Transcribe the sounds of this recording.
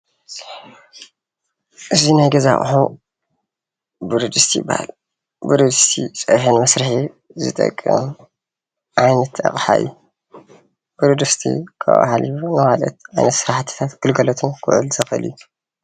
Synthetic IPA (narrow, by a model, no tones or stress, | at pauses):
ʔɨzinajɡɐza̰χʼɨ̰ħu | bɨɾod̪ɨst̪ʰijɪ̰bːa̰ha̰l | bɨɾɨd̪ɨst̪ʰḭsʼɐħɨnmɐsɾɨħi | zɨt̪ʼɐ̰kʼːɨ̰m | ʕajnɐt̪ʰɐ̰χʼħa̰ju | b̥ɨɾud̪ɨst̪ʰḭkʰɐ̰ʔʼa̰haljunɨmalɐ̰t̪ʕajnɐt̪sɨɾaħt̪ʰɨ̥t̪ʰat̪ɡ̥ɨlɡɐlɐt̪ʰumkʰʊ̰ʕʔɨ̰lzɐxɨ̰lju